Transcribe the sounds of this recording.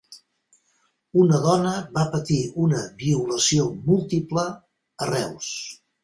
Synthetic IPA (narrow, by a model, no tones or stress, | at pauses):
unəðɔnəβapət̪iunəβiuləsiomulˠt̪ipləː | rɛws